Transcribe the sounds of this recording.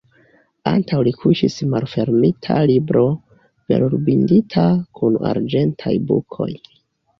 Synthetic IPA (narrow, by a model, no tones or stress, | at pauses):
antawlikʰuʃismalfe̞ɾmitʰalibɾʔo̞ | v̥e̞̰ɾuɾbinditʰakʰuna̰ɾd͡ʒe̞ntʰajbṵkʰo̞j